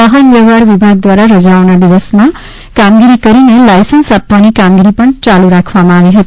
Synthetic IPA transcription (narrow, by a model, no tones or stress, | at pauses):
ʌɦʌnbewaɾbibʱaɡ̚d̪waɾaɾʌd͡zawnab̪ibʌsma | kamɡiɾikʌɾinʌlajsʌnsap̚t̪anikamɡiɾipʌnt͡saluɾakʰwamaɡeɦʌt̪ʰ